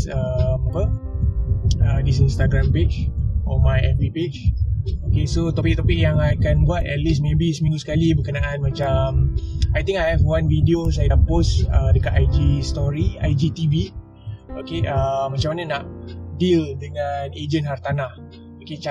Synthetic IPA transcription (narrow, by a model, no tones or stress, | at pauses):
əmapə | ədis̬inst̪aɡɾamped͡ʒɔmajɛ̰viped͡ʒokesot̪ɔpɪk̚t̪ɔpɪk̚jaŋajkanbuat̪̚ɛ̰t̪̚lis̬mẽbisəmĩŋɡusə̥kalibəkənaʔanmãt͡ʃamajt̪ĩŋkajhɛvwãnvidios̬ajaposədəkat̪ajd͡ʒist̪ɔɾia̰jd͡ʒit̪ivi | okeʔəmːat͡ʃãmːanənaʔdildəŋaned͡ʒənhart̪anah | oket͡ʃa